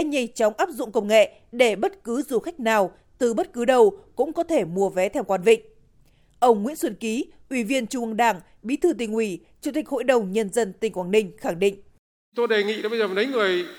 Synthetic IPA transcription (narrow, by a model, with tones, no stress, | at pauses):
a˧˥ɲa˧jŋt͡ɕɔ˨˦wŋ͡mʔaː˦˥p̚zʊ̰˧˨ŋ͡mkə˧wŋ͡mŋḛ˧˨ | ɗe˧˩ɓə˦˥t̚kɨ˨˦zu˨˩xa˦˥jk̟̚naː˨˩w | t̪ɨ˨˩ɓə˦˥t̚kɨ˨˦ɗə˧˩wkʊ̰˧˥ŋ͡mkɔ˨˦t̪ʰe˧˩mu˧˩əvɛ˨˦t̪ʰɛ˧wkwaː˧nvḭ˧˨ŋ̟ | ʔə˧wŋ͡mŋwḭ˧˥ənswə˧˩nki˨˦ʔwi˧˩vi˧ənt͡ɕu˧˩ʔə˧ŋɗaː˧˩ŋ | ɓḭ˨˦t̪ʰɨ˧t̪̬ï˨˩ŋ̟ʔwi˧˩ | t͡ɕu˨˧˩t̪ï˨˩k̟̚ho̰˧˨jɗə˨˩wŋ͡mɲə˧nzə˧nt̪ï˨˩ŋ̟kwaː˨˩nï˧ŋ̟xa˧˩ŋɗḭ̈˧˨ŋ̟ | t̪o˧ɗe˨˩ŋḭ˧˨ɗɓə˧zːnə˨˦jŋɨ˨˩əj